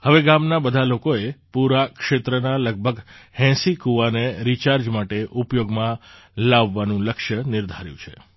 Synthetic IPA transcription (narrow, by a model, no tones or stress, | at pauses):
həʋeɡamnabəd̪ʱalokoepuɾakʃet̪ɾənaləɡ̚bʱəɡhɛ̃sikuʋaneɾit͡ʃaɾd͡ʒmaʈeʔupjoɡmã | laʋːanũləkʃjənɪɾd̪ʱaɾjṵ̃t͡ʃʰe